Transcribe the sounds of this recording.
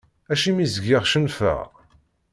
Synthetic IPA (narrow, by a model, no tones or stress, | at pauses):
æʃimizəɡɪʁʃənfə̰ʁ